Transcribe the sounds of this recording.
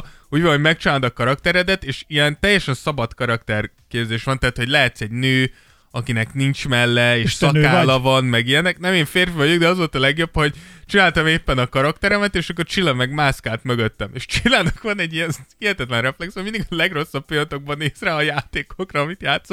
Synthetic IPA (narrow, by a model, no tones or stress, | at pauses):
uːɟʋɒnɦoɟmɛk̚t͡ʃinaːld̪ɒkɒɾɒk̚t̪ɛɾɛd̪ɛt̪eːʃijɛnt̪ɛjːɛʃɛnsɒbɒt̪kɒɾɒkt̪ɛr | keːbzeːʃʋɒnt̪ɛaːt̪ho̞ɟlɛɦɛt̪sɛɟnøː | ɒkinɛknint͡ʃmɛlːɛeːʃsɒkaːlɒvɒnmɛɡijɛnɛknɛmeːɱfeːrvøjyɡd̪ɛɒzo̞lt̪ɒlɛɡjo̞bho̞ɟt͡ʃinaːlt̪ɒmeːpːɛnɒkɒɾɒkt̪ɛɾɛmɛt̪eːʃɒk̬ːo̞rt͡ʃilːɒmɛɡmaːskaːt̪møɡøt̪ːɛmeːʃt͡ʃilːaːnɒkʋɒnɛɟːijɛnhiɛt̪ɛt̪lɛnrɛflɛksomind̪iɡɒlɛɡro̞sːɒbpilɒt̪o̞ɡ̚bɒneːzraːɒjaːt̪eːkokrɒːmit̪jaːt̪so